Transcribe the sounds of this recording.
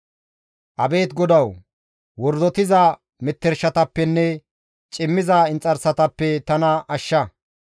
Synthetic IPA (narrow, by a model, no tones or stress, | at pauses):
ʔɐbe̞ːt̪ɡɔd̪ɐw | wɔɾd̪ɔt̪ɪzɐ | mɛt̪ːɛɾʃɐt̪ɐpːɛnːɛ | t͡ʃʼɪmːɪzɐɪnt͡sʼːɐɾsɐt̪ɐpːɛt̪ɐnɐʔɐʃːɐ